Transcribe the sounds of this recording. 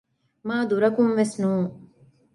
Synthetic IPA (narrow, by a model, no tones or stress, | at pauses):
maːd̪uɾɐkumʋesnuːŋ